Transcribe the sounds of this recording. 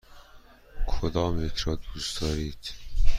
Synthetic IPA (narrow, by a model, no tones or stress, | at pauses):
kʰod̪ɒːmjecʰɾɒːd̪uːsd̪ɒːɾiːd̪̥